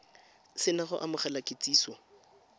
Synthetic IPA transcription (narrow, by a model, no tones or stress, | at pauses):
sɪnaɣʊ̰ʔamʊχalakʼet͡siːsɔ